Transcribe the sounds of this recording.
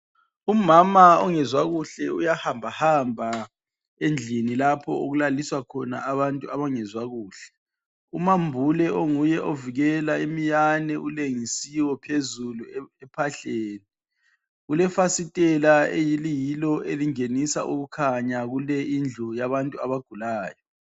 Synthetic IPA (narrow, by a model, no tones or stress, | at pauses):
umamaɔŋɛzwaɣuɬɛujahambʱahambʱa | end͡ɮʱinilapʰɔoɣulaliswakʰɔna̰aβantʼuaβaŋɛzwaɣuːɬɛ̥ | umambʱulɛʔoŋujɛʔoviɣɛlaimijanɛʔuleŋisiwɔpʰezuluɛpʰaɬeːni | ulɛfasitʼɛlaejilijilɔʔeliŋenisa̰ʔuɣukʰaɲaɣulɛind͡ɮʱɔjaβantʼuaβaɡ̥ʱulaːjɔ